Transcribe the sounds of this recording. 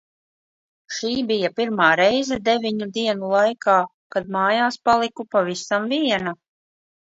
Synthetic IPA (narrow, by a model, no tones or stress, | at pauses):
ʃiːbijapiɾmaːɾɛjzɛd̪evʲiɲud̪iɛnulˠajkaː | kad̪maːjaːspalˠikupavisamviɛna